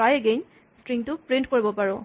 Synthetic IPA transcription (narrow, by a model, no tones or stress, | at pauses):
ajɛɡen | stɹiŋtʊpɹint̚koɹibɔpaɹɔ